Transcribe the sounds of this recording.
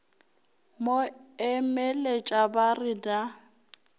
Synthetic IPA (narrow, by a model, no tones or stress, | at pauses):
moɛmelet͡ʃʼabarɪda